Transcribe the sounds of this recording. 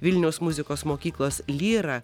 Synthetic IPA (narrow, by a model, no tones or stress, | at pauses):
ʋʲɪlʲnʲɛʊsmʊzʲɪkoːsmoːkʲiːklˠoːslʲiːɾɐ